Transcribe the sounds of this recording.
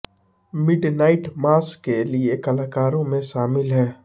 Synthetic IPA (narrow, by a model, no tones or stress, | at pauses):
mɪɖnaːɪʈmaːskːeliekɐlaːkaːɾõmẽʃaːmɪlɦɛː